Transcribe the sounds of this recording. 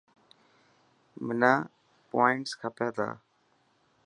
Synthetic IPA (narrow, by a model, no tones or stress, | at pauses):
mənaː | poːɪɳʈskʰəpjaːt̪ʰa̰ː